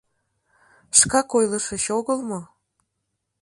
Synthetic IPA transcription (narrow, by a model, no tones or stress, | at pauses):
ʃkɑkojləʃəɕoɣəlˠmo